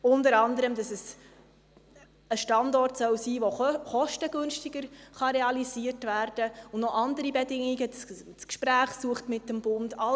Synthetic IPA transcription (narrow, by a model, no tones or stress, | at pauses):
ʊndəɾɑndəɾəmd̥ɑsɛs | əʃtɑndɔrtsœwsiːʋoχɔʃtəɡ̥ɵnʃtiɡəɾχɑɾeɑliziːərtvæːrd̥əʊnnɔʔɑndəɾibedɪŋiɡəsskʃpɾæːχsuəχtmɪtːəmb̥ʊndɑ